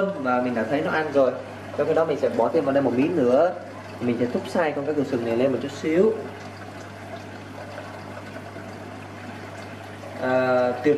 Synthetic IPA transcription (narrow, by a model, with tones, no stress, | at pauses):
vaː˨˩mi˨˩ɗa̰ː˧˩t̪ʰə˨˦jnɔ˨˦ʔa˧nzo˨˩j | t͡ɕɔ˧wŋ͡mkaː˨˦ɗɔ˨˦mï˨˩ŋ̟sɛ̰˧˥˩ɓɔ˨˦t̪e˧mvaː˨˩ɗə˧jmo˨˩mḭ˨˦˥nɨ̰˧˩˥ə | t̪ʰi˨˩mi̟˨˩sɛ̰˧˥˩t̪ʰk͡p̚saː˧jt͡ɕɔ˧kaː˨˦˥k̚ɨ˨˧˩sɨ˨˩na˨˩jle˧nmo˨˩t̚t͡ɕu˦˥t̚si˨˦əw | ʔəː˨˩t̪i˨˩ə